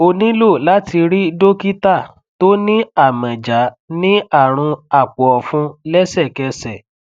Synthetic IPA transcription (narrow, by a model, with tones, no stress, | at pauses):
o˧nĩ˦lo˦˨la˦ti˧ɾi˦do˦ki˦ta˦˨ | to˦nĩ˦a˦˨mɛ̃˨d͡ʒa˨˦ | nĩ˦a˦˨ɾ̃ũ˧a˨k͡pɔ˨ɔ˨fũ˧lɛ˦sɛ˦˨kɛ˧sɛ˨